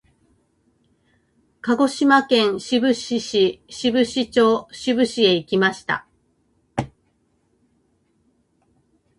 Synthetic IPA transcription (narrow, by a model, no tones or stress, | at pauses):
kaɡo̞ɕimakẽ̞ɰ̃ɕibɯ̟ɕiɕiɕibɯ̟ɕit͡ɕo̞ːɕibɯ̟ɕie̞ikʲimaɕi̥t̪a̰